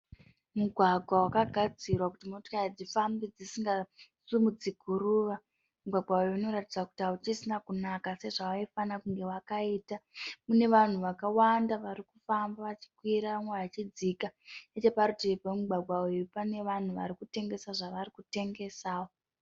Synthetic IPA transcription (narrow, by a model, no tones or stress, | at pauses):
muɡʱwaɡʱwawakaɡʱad͡zirwakutimotokaid͡zifambid͡zisiŋɡasumud͡zikuɾuːʋa | muɡʱwaɡwaujuino̞ɾatid͡zaku̥tiaut͡ʃisinakunakase̞ʐawaifanakuŋɡe̞wakaiːtamune̞ʋan̤uʋakawandaʋaɾikufambaʋat͡ʃi̥kwiɾaʋamweʋat͡ʃid͡zikaet͡ʃe̞paɾutipemuɡʱwaɡʱaujupane̞ʋan̤uʋa̰ɾikute̞ŋɡe̞saʐaʋarikute̞ŋɡe̞saːwo